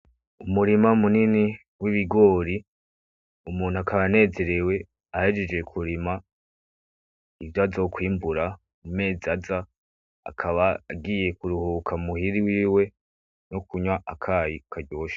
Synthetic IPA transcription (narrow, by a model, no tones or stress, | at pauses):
umuɾimaumunini | wiβiɡo̞ːɾi | umuːn̥uakaβane̞ːze̞ɾe̞we̞ | ahed͡ʒed͡ʒe̞kʰuɾima | ivjazokwiːmbuɾa | umeːzaza | a̰kʰaβaːɡiːje̞kuɾuhukʰamuhiɾiwiːwe̞ | nokuɲwaʔakʰaːjikʰadɟo̞ːʃḁ